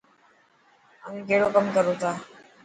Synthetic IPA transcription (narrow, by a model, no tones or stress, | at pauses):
a̰miɡeɽokəmkəɾut̪a